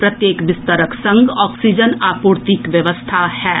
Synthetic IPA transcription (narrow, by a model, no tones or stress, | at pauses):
pɾɐt̪jeːkʋɪst̪əɾəksɐ̃ŋɡɔːksid͡ʒənaːpuːɾt̪ikʋjɐʋəst̪ʰahɛː